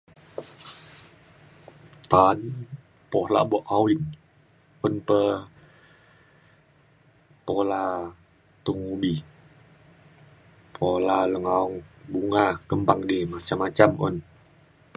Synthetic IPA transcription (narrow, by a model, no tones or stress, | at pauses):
t̪an | pɔla̰bɔʔawin | unpə | pola | t̪uŋubi | pʰolaləŋaɔŋbuŋakəmbaŋdimat͡ʃamːat͡ʃamṵn